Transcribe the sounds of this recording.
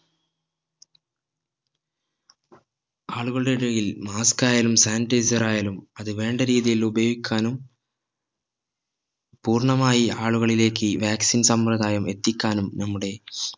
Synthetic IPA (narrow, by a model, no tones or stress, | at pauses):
aːɭɯɣɐɭɽeɽɐjilmaːskaːjɐlɯmsaːnʈɐɪsɐɾaːjɐlɯmɐðɯʋeːɳɖɐɾiːðijɐlubɐʋikːaːnɯm | puːɾɳɐmaːjiaːɭɯɣɐɭileːkːɯʋaːksinsɐmpɾɐðaːjɐmɛt̪ːikːaːnɯmnɐmːɯɽe